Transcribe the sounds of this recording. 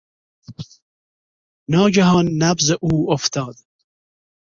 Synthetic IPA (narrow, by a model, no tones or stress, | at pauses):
nɑːɡaɦɑːnːabzeʔuːoft̪ɑːd̪